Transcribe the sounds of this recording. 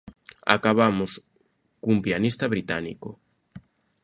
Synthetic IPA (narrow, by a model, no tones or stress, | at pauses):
a̰kaβamos | kuumpjanist̪ɐβɾit̪anḭko